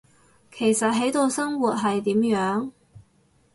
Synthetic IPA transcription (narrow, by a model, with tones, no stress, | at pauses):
kʰe˨˩jsɐ˨t̚ɦe˨˥jt̪o˨˧wsɐ˥ŋwuː˨t̚ɦɐ˨jt̪iː˨˥mjœː˨˥ŋ